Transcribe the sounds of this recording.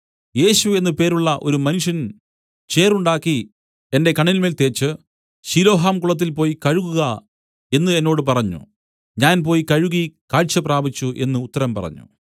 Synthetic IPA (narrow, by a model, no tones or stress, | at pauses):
je̞ːɕue̞nːɨpe̞ːɾuɭːɐʔo̞ɾumɐnuʂjɐn | t͡ɕe̞ːruɳɖaːkːi | e̞nde̞kɐɳːilme̞ːlt̪e̞ːt͡ɕːɨ | ɕilo̞ːɦaːmkuɭɐt̪̬ːilpo̞ːjikɐɻuɣuɣɐ | e̞nːɨe̞nːo̞ːɽɨpɐrɐɲːṵ | ɲaːnpoːjikɐɻuɣikaːɻt͡ɕːɐpraːbit͡ɕːuʔe̞̰nːɨːt̪ːɐɾɐmpɐ̰rɐ̰ɲːṵ